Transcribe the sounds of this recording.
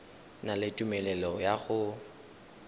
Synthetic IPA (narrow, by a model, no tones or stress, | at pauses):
nalɪtʼumɛlɛlɔjaɣʊ